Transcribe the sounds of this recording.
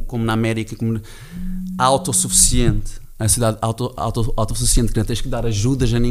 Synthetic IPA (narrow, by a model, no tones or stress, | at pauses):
komunaɐmɛɾikɐkomu | awt̪ɔsufi̥siẽnt̪ | ɐsiðaðawt̪ɔa̰wt̪ɔa̰wt̪ɔsufisiẽnt̪knɐ̃t̪ẽʃkɨðaɾɐʒuðɐʒanĩ